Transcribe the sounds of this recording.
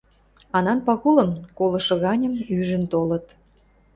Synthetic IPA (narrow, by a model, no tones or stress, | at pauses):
ɑnɑnpɑɣulə̆mkolɤ̆ʃɤ̆ɣɑnʲə̆myʒə̆nt̪olə̆t̪